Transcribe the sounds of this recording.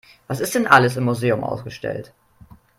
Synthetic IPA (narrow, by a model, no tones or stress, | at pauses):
vasɪstd̥ɛnʔaləs̬ɪmːuzeːʊmʔa̰ʊsɡ̥əʃtɛ̰lt